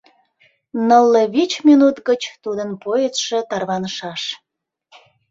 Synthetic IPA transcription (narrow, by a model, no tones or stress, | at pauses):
nəlːəβit͡ɕmʲinut̪ɡət͡ɕt̪ud̪ənpojət̪ʃet̪ɑrβɑnəʃɑʃ